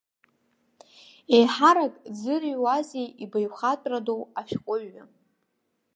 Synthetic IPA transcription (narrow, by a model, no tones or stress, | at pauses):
ejħaɾakʼd͡zɨriwazejibajχatʼradowaʃᶣqʷʼʊɥːa